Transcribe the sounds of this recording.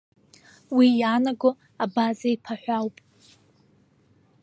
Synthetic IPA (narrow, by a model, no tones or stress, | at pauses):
wijanaɡo | abazaipʰaħʷᶣawpʼ